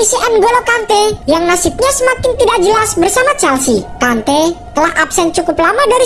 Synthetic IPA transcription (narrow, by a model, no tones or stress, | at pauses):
isiʔɛnɡolokant̪ɛjaŋnasɪp̪̚ɲasəmakɪnt̪idak̚d͡ʒəlasbərsamat͡ʃɛlsikant̪ɛt̪əlahʔapsɛn̚t͡ʃukʊplamadaɾi